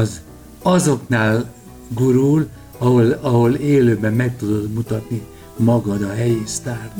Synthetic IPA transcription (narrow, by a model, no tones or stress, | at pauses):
z | ɒzo̞knaːl | ɡuɾul | ɒɦolɒɦo̞leːløːbɛmːɛk̚t̪ud̪o̞d̪mut̪ɒt̪ni | mɒɡɒd̪ɒɦɛjist̪aːr